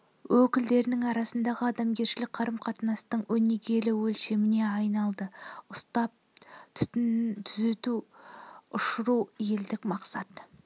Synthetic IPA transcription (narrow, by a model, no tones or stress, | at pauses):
wɵkʲɪld̪e̞ɾɪnɪŋɑɾɑsənd̪ɑʁəɑd̪ɑmɡʲe̞ɾʃɪlɪk̚qʰɑɾəmqʰɑt̪ənɑst̪əɴwɵne̞ɡʲe̞lɪwɵlʃe̞mɪne̞ɑjnɑlˠd̪əʊst̪ɑp̚t̪ʰt̪ʰʏze̞t̪u | ʊʃəɾuwje̞ld̪ɪkmɑqsɑt̪